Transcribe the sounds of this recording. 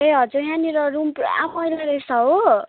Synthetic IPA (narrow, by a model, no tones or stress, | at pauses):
ɦeɦʌd͡zuɦaniɾʌɾumpa̰mʌjlaɾejsʌɦo